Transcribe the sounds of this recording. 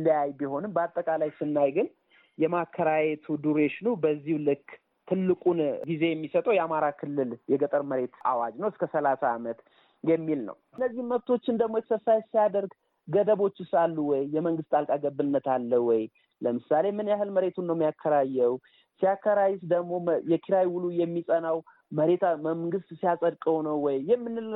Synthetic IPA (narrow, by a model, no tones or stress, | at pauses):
lijajbiho̞nɨmbəat̪ʼːəkʼalajsɨnːajɡɨn | jɛmakʰːəɾajet̪ʰud̪uɾeʃnubəzːihlɨkː | t̪ʰɨlːɨkʼunɡize̞jɛmːisət̪ʼəwjɛamaɾakʰɨlːɨljɛɡət̪ʼəɾməɾe̞t̪a̰wad͡ʒnəwɨskʰəsəlasaːmət̪ | jɛmːilnə̰wɨnːəzːihnməβt̪ʰo̞t͡ʃːɪnd̪əɡmojɛsəsajsijad̪əɾɡ | ɡəd̪əβo̞t͡ʃːusalːuwɔjːɛməŋɡɨst̪ʼalkʼaɡəbːɨnːət̪alːəhwɔj | ləmɨsale̞mɨnjaɦɨlməɾe̞t̪ʰunːəwmijakʰːəɾajːɛw | sijakːəɾajɪsd̪əɡmo̞jɛkʰiɾajwulujɛmːisʼənaw | məɾe̞t̪məmɡɨst̪sijasʼəd̪kʼəwnəwwːɔjːɛmːɨnːɨ